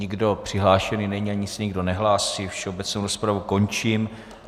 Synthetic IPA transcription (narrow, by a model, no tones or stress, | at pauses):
ɪɡdo̞pr̝̥ɪɦlaːʃɛninɛɲiaɲɪsɛɲɪɡdo̞nɛɦlaːsifʃɛo̞bɛt͡snowɾospɾavuko̞nt͡ʃim